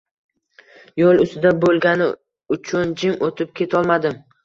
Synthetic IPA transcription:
jɒlˠʊst̪ɪd̪abolˠɡʲanɪ | ʊt͡ʃʰʊnd͡ʒɪmot̪ʰɪp̚kʲʰe̞t̪ʰɒlˠmad̪ɪm

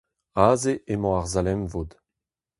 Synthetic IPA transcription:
aːzeʔemɔ̃aʁzalɛmvod̪

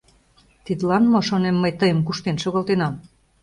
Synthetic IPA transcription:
t̪id̪lɑnmoʃonemːəjt̪əjə̆mkuʃt̪enʃoɣolt̪enɑm

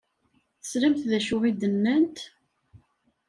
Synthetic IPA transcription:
θə̥slæmθðæʃʊʁid̪ənːænt̪

